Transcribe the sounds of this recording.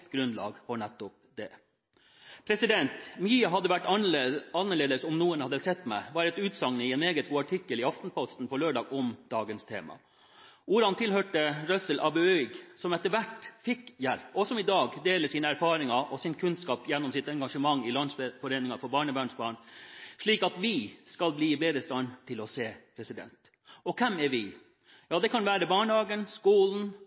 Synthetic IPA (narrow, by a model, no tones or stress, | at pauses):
ɡɾʉnd̪lɑ̰ːɡfɔɳɛt̪ːɔp̚d̪ɛ | pʰɾɛsɪd̪ɛnt̪miːɑɦɑd̪ːəʋæʈː | ɑnːəɭeːd̪əsɔmnuːənhɑd̪əsɛt̪ːmæɪʋɑːɾɛt̪ʉːt̪sɑŋnəɪɛneːɡət̪̚ɡuːɑʈʰɪkːəlɪɑft̪n̩pʰɔst̪n̩pʰɔløːɖɑːɡɔmd̪̥ɑːɡənst̪ʰḛːmɑ̰ | ʔuːɾɑnt̪ʰɪlhøːʈəɾœsəlʔɑbʉœɡsɔmɛt̪əʋæʈfɪkːjæɾɔsɔmɪd̪ɑːɡd̪eːləsiːnəæɾfɑːɾɪŋɑʔɔsɪnkʰʉnskɑːpjɛnːɔmsɪt̪ɛŋɡɑʂəmɑŋːɪlɑnsfɔɾeːnɪŋɑfɔɾbɑːɳəbæːɳsbɑːɳʂɭiːkɑt̪ʋɪskɑlbliːɪbeːd̪ɾəst̪ɑnt̪ʰɪlɔseːpʰɾɛsɪd̪ɛ̰nt̪ | ɔkʰɛmɛɾʋɪ | jɑːd̪ɛkʰɑnʋæːɾəbɑːɳəhɑːɡənskuːln̩